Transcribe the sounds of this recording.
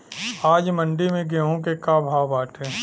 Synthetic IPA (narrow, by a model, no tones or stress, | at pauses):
aːd͡ʒmə̃ɳɖimẽɡeɦõk̬ekaːbʱaːbaːʈʰeː